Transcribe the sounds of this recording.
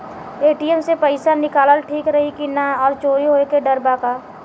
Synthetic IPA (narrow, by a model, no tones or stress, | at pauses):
eːʈiəmsepəɪsanɪkaːləlʈʰiːkɾɐɦikinaɔːɾt͡ʃoːɾiɦoːekeɖɐɾbakaː